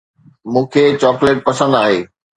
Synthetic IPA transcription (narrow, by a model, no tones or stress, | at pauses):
mũːkʰeːt͡ɕɔːkleːʈ̚pɐsə̃n̆d̪aːɦeː